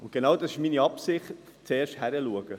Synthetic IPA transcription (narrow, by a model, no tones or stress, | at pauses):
ʊnt̚ɡ̥enɑːwdɑsɪʃminiɑpsɪχtt͡seːɾʃthæɾəluəɡ̥ə